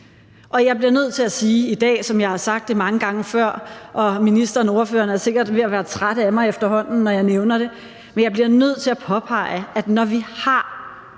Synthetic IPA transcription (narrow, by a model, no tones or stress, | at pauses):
ʔɒ̽jɑ̈ɪb̥liɐnøð̞̰ˠt͡sʰe̝æsiːid̥ɛ̰ːsɒ̽mjɑ̈ɪhɑ̈sɑ̈ɡ̥̚d̥ːemɑ̈ŋəɡ̥ɑ̈ŋəfɶɐ̰ʔɒ̽minisd̥ʁɐn̩o̝ːɐfø̰ːɐnæɐse̝ɡ̥ɐd̥ʋe̝jɑʋæːɐt͡sʰʁad̥əæmɑ̈ɪefd̥ɐɦɒ̽n̰n̩nːɒjɑ̈ɪneʊnɐɾ̥e̝ | menjɑɪb̥liɐnøð̞̰ˠt͡sʰe̝læpʰɒ̽pʰɑ̈ɪ̰əʔæd̥nɒʋihɑ̈